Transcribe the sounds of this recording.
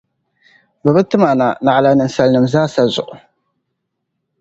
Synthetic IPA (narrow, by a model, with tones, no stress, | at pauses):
bɨ˨bɨ˦tɨ˦ma˨na˨na˨ʕla˨nɨ˨nsa˦lnɨ˨mzaː˦sa˦zʊ̰˨ʔʊ˨